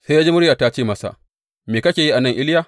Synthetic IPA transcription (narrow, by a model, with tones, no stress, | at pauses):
se˦ja˦d͡ʒe˦mʊ˦ɽja˨ta˦t͡ʃeː˦˨mɐ˦sa̰˨ | meː˨kɐ˦kʲeː˨ji˦ʔa˨nɐ˦˨ŋʔɪ˦ljaː˦˨